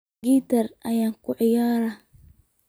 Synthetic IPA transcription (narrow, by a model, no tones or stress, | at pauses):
iːt̪ʰɐrʔɐjaːŋkʰʊʕɪjaːɾɐ